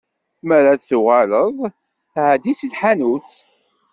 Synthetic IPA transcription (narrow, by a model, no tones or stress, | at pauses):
mæɾaθuʁaləðˤ | ʕd̪isiθħanut͡s